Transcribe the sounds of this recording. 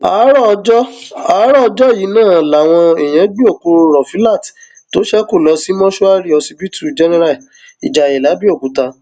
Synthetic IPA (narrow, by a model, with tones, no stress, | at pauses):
a˨˦ɾɔ˦˧d͡ʒɔ˦a˨˦ɾɔ˦ɔ˧d͡ʒɔ˦ji˨˦nãː˦˨la˨w̃ɔ̃˧e˨j̃ɛ̃˨˦ɡ͡bi˦o˦˨ku˧ɾɔ˨fi˨˦la˦˨ti̥˨ | to˦ʃɛ˦ko˦˨lɔ˨˧˦si˦mɔ̃˦ʃu˦a˦ɾi˦ɔ˧si˧bi˦tu˦˨d͡ʒɛ˦nɛ˦ɾa˦˨ | ḭ˨d͡ʒa˨ɛ˨la˨˦bi˦o˦˨ku˨˦ta˧